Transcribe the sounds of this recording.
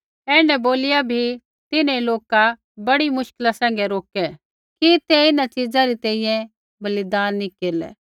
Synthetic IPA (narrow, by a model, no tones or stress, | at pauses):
ɛ̃ːɖɛboːlɪjabʱi | t̪ɪneloːka | bɐɽimʊʃkɪlasɛ̃ːŋ̆ɡɛɾoːkɛ | kit̪ɛɪnat͡ʃɪd͡zaɾit̪ɛːĩjɛ̃ | bɐlɪd̪aːnːikeːɾlɛ̰